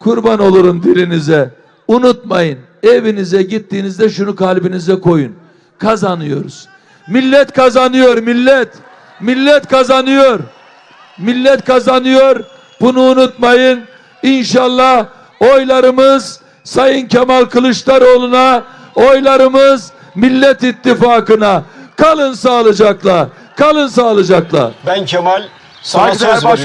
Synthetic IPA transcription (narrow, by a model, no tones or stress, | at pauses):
kʰuɾbano̞lˠuɾumd̪ilʲinizɛ | unut̪̚majɯn | evinizɛɟit̪ːiːnizd̪ɛʃunukʰalʲbinizɛkʰo̞jun | kʰazanɯjo̞̰ɾuz̥ | milʲːɛt̪kʰazanɯjoɾmilʲːɛt̪ | milʲːɛt̪kʰazanɯjo̞ɾ | milʲːɛt̪̚kʰazanɯjo̞ɾ | b̥unuːnut̪majɯn | inʃalˠːah | ojlˠaɾɯmɯz | sajɯncʰamalʲˠkʰɯlˠɯʃlˠaɾo̞lˠuna | ojlˠaɾɯmɯz | milʲːɛt̪it̪ːifaːkɯnakʰalˠɯnsaːlˠɯd͡ʒaklˠa | kʰalˠɯnsaːlˠɯd͡ʒaklˠa̰bæncʰemalʲ | sa